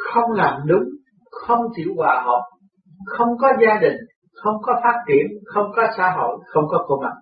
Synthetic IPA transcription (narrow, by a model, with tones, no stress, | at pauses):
xə˧wŋ͡mla̰ː˧˨˩mɗʊ˨˦ŋ͡m | xə˧wŋ͡mt͡ɕḭ˧˩wkwaː˧˨˩hɔ̰˨˩˨j | xə˧wŋ͡mkɔ˨˦zaː˧ɗï˨˩ŋ̟ | xə˧wŋ͡mkɔ˨˦faː˦˥t̚t͡ɕi˧˩˨ənxə˧wŋ͡mkɔ˨˦sa̰ː˧ɦo̰˧˨jxə˧wŋ͡mkɔ˨˦ko˧ma˨˩t̚